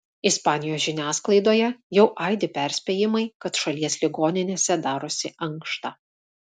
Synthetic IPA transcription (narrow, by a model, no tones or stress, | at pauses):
ɪspɑːnʲɪjoːsʲʒʲɪnʲæːsklˠɐɪd̪oːjɛjɛʊʔɑˑɪd̪ʲɪpʲɛˑɾʲsʲpʲeːjɪmɐɪkɐt̪ʃɐlʲiɛsʲlʲɪɡoːnʲɪnʲeːsʲɛd̪ɑːɾʊsʲɪʔɐŋkʃt̪ɑː